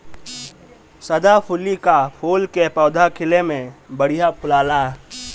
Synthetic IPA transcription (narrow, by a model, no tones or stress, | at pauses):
səd̪apʰʊlikapʰoːlkepɔːd̪ʱakʰɪlemẽbəɽ̤ijapʰʊlaːlaɦ